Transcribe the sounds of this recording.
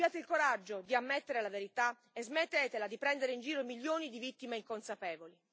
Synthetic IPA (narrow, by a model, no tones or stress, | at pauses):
jaːt̪eilkoɾad͡ʒːod̪iamːet̪ːeɾelaveɾit̪a | ezmet̪ːeːt̪elad̪ipɾɛnd̪eɾeind͡ʒiːɾoimiljoːnid̪ivit̪ːimeiŋkonsapɛːvoli